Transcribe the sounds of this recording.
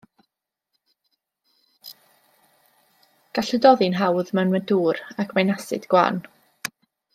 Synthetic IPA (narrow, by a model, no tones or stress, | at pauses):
ɡ̥aɬʊdɔðɪnɦawðmɛnməduːɾakʰmajnasɨ̰d̥ɡ̥wa̰ːn